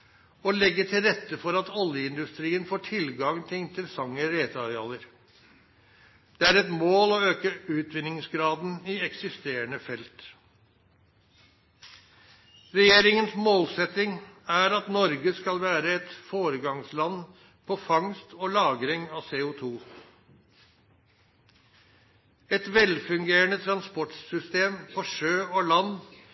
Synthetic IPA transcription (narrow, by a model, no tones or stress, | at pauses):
ɔlɛɡːəʈʰɪlɾɛt̪ːəfɔɾɑt̪ɔljəɪnd̪ʉst̪ɾiːənfoːʈʰɪlɡɑŋt̪ʰɪŋt̪ʰɪlsɑŋːəɾeːt̪ʰɑɾɪɑːləɾ | d̪̥ɛæɾɛt̪moːlɔøːkəʉːt̪ʋɪnɪŋsɡɾɑːd̪n̩ɪɛksɪst̪eːəɳəfɛlt̪ | ɾɛjeːɾɪŋənsmoːlsɛt̪ɪŋæɾɑt̪nɔɾɡəskɑlʋæːɾəɛt̪foːɾəɡɑŋslɑn | pʰɔfɑŋst̪ɔlɑːɡɾɪŋɑseːʊt̪ʰuː | ɛt̪ʋɛlfʉŋɡeːɾəɳət̪ʰɾɑnspɔʈsʏst̪eːmpʰɔʂøːɔlɑnː